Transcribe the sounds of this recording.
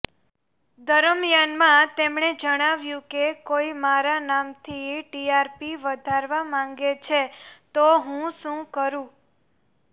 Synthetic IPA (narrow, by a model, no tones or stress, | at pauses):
d̪ʱəɾəmjanmãt̪emɳ̃ed͡ʒəɽ̃aʋjũkekoimaɾanamt̪ʰiʈiaɾpiʋəd̪ʱaɾʋamãŋɡet͡ʃʰet̪oɦũʃũkəɾũ